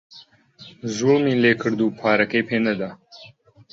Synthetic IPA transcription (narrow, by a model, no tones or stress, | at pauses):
zumilekʰəɽd̪upʰɑːɾɐkepʰenad̪a